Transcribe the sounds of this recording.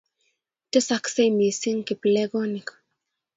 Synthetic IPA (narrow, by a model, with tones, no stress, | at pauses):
te˦sa˦kse˦jmi˨si˦ŋke˨plɛ˦ɡɔ˦nik